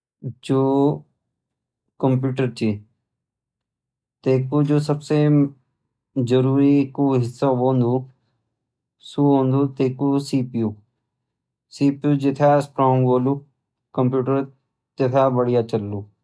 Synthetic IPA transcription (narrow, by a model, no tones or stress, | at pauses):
d͡ʒoː | kəmpjuːʈəɾt͡ʃi | t̪eːkud͡ʒoːsəbse | d͡ʒəɾuːɾikuːɦɪsːaʋõːnd̪uː | suɦõːnd̪ut̪eːkusiːpjuː | siːpjuːd͡ʒɪt̪ʰaːspɾoːŋɡʋoːluː | kəmpjuːʈəɾ | t̪et̪ʰaːbəɽijaːt͡ʃɐlːuː